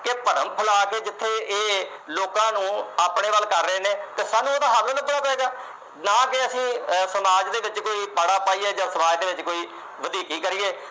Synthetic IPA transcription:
kepəɾə̰mpʰəlaːkeːd͡ʒɪt̪ʰːeːeː | loːkãːnũːaːpɳeːʋəlkəɾːəeːneːt̪eːsaːnũːoːd̪aːɦaɾloːnəpʊɽaːpɛeːɡaː | naːkɪəsĩːsəmaːd͡ʒd̪eːʋɪt͡ʃkoːiːpaɽaːpaːiːeːd͡ʒãːsəmaːd͡ʒd̪eːʋɪt͡ʃkoːiː | ʋəd̪iːkiːkəɾiːeː

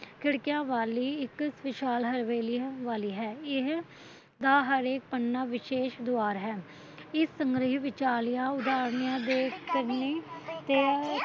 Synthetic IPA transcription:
kʰɪɽkɪjãːʋaːliːɪksʋɪʃaːlɦəɾʋeːliːʋaːliːɦɛːɪɦ | d̪aːɦəɾeːk̚pəɳːaːʋɪʃeːʃd̪oaːɾɦɛː | ɪsːəŋɡɾəɦiʋɪt͡ʃaːlɪjãːʊd̪aːɾnɪjãːd̪eːkəɾneːt̪eː

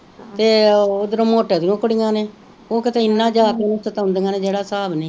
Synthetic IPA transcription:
t̪eːod̪əɾõːmoːʈeːd̪inõːkəɽɪŋãːneː | oːkɪt̪ẽːɪnːãːd͡ʒaːk̪ːusət̪aʊ̃nd̪eŋaːnẽːd͡ʒeːɽaːsaːbnẽː

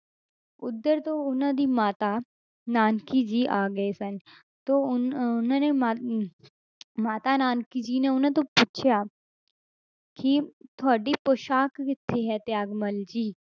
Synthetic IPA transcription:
ʊd̪ːəɾt̪oʊnə̃d̪imaːt̪a | naːnkid͡ʒiːʔaːɡɐesɐn | t̪oʊʊnɦõnema | maːt̪anaːnkid͡ʒiːneʊnə̃t̪̬opuːt͡ʃʰja | kit̪ʰaːɖipoːʃaːkkɪt̪ʰːeɦɛt̪eaːɡməld͡ʒiː

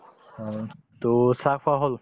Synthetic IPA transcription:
t̪osakfʰaɦol

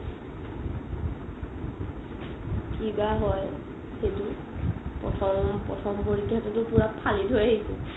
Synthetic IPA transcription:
kiɡaɦɔj | xetu | pɹɔ̰tʰɔmpɹɔ̰tʰɔmpoɹikːjatɛtʊpuɹapʰːalidʱojaɦisɛ̰

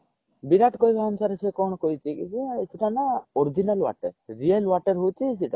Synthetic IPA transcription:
biɾaʈkoɦjbaɔmsaɾɛsɛkɔɽ̃ɔkojt͡ʃikḭd͡ʒɛisiʈanaɔɾd͡ʒinalwa̰ʈəɾɾielwaʈəɾɦut͡ʃʰiːs̬iʈa̰

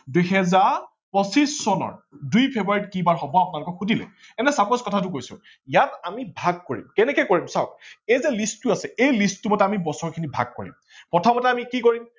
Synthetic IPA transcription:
dujɦɛzaɹ | pɔsisːɔnɔ̰ɹdujpʰebɹaɹitkibaɹxɔbɔapʊnalʊkɔxudʱilɛ̰ | ɛnɛsapɔskɔtʰatʊkojsʊ̰ | ijatamibʱaɡ̚koɹḭmkɛnɛkɔjkoɹimsaʊejzɛlisttʊasɛejlisttːumɔtɛamibɔsɔɹkʰinibʱa̰ɡ̚kɔ̰ɹḭm | pɔtʰɔmɔtɛamikikoɹim

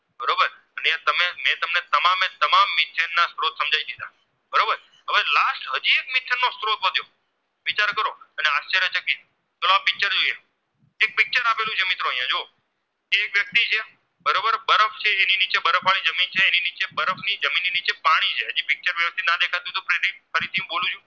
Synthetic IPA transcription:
bəɾobəɾ | ənjãt̪əmemẽt̪əmnet̪əmamet̪əmamːɪt̪ʰənːast̪ɾot̪səmd͡ʒʱaid̪id̪a | bəɾobəɾ | ɦəʋelasʈɦəd͡ʒiekmɪt̪ʰːənːost̪ɾot̪əd̪ʱjo | ʋit͡ʃaɾkəɾoəneast͡ʃeɾjət͡ʃəkit̪̚ | t̪ʰoloapɪk̚t͡ʃəɾd͡ʒoije | ek̚pɪk̚t͡ʃəɾapelũt͡ʃʰemɪt̪ɾõəɦijãd͡ʒo | keːkʋjək̚t̪it͡ʃʰe | bəɾobəɾbəɾəft͡ʃʰeeninit͡ʃebəɾəfʰʋalid͡ʒəmint͡ʃʰeːninit͡ʃebəɾəfnid͡ʒəminːinit͡ʃepaɽ̃it͡ʃʰeɦəd͡ʒipɪk̚t͡ʃəɾʋjəʋəst̪ʰinad̪ekʰat̪jũt̪opɾeɾiʈ̚fʰəɾit̪ʰiũɓolũt͡ʃʰũ

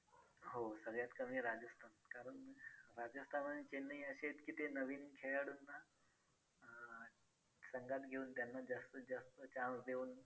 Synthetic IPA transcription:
ɦosəɡɭjat̪kəmiːɾad͡ʑəst̪ʰankaɾəɳɾad͡ʑəst̪ʰanənit͡ɕenːəĩəɕet̪kit̪enəʋiːnkʰeɭaɽunːa | səŋɡat̪ɡʱeuːnt̪janːad͡ʑəst̪əd͡ʑəst̪ət͡ɕãnsd̪ʱeuːn

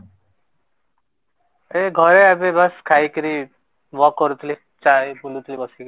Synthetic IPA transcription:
eɡʱɔɾeabebʌskʰajkiɾi | ʋɔkːɔɾut̪ʰli | t͡ʃaipulut̪ʰlibɔsik

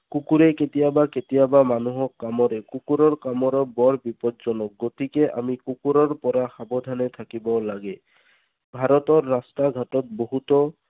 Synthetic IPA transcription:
kukuɾeket̪ijabaket̪ijabamanuɦɔkːamɔɾekukuɾɔɹkamɔɾɔbɔɹbipɔdzɔnɔk̚ɡot̪ikeʔa̰mikukuɾɔɹpɔɾaxabɔd̪ʱanet̪ʰakibɔlaɡe | bʱaɾɔt̪ɔɾːastaɡʱatɔt̪̚boɦut̪ɔ

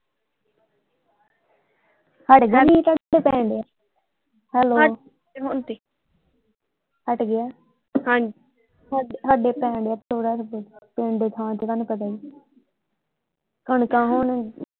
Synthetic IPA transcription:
həʈɡanĩːt̪əeːpɛ̃ːɳɖeaː | hɛːlo | ɦoːnt̪iː | həʈɡɪjaː | hãː | ɦəɖeːpɛ̃ːɳɖeaːt̪ʰoːɽaːpẽːɳd̪eːt̪ʰaːãt̪eːkanuːpət̪̬aːi | kəɳkãːɦoːɳ

